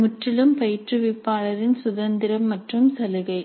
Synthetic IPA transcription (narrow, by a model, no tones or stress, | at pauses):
mʊʈrɪlɯmpɐjɪʈrɯʋɪpːaːɭɐɾɪnsʊðɐnd̪ɪɾɐmːɐʈrɯmsɐlɯɣɐɪ